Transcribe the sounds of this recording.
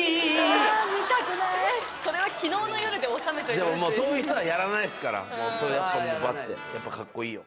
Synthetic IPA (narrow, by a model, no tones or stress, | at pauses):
so̞ɾe̞βakʲino̞ːno̞joɾɯ̟d̪eosame̞t̪ed̪emomoːso̞ːjɯ̟çi̥t̪oβajaɾanaidsɨ̥kaɾa̰soejapːamoba̰t̪ːe̞̰japːakakːo̞iːjo